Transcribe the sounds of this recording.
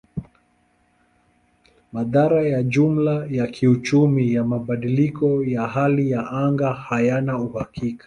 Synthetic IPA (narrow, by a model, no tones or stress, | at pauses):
maðaɾajaʄum̩lajakʰiut͡ʃumijamaɓaɗilikɔjaɦalijaʔaŋɡahajanauhakikḁ